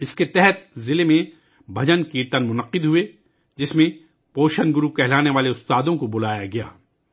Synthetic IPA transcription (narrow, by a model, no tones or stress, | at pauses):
ɪsket̪ɛɦɛt̪zɪlemẽ | bʱɐd͡ʒənkiːɾt̪ənmʊnɐqːɪd̪ɦʊe | d͡ʒɪsmẽ | poːʃənɡʊɾukɛɦlaːneʋaːleʊst̪aːd̪õkobʊlaːjaɡɐja̰ː